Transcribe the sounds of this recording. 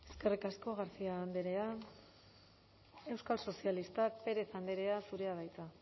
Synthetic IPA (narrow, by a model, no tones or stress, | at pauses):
e̞ske̞rikasko̞ɣaɾsiaːnd̪eɾe̞an | e̞wskalso̞sialist̪ak̚pe̞ɾe̞θand̪eɾe̞asuɾe̞aðajt͡s̪a